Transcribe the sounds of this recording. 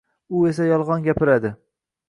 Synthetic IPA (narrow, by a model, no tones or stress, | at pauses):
ʊe̞sajɒlˠʁɒnɡʲapɪɾad̪ɪ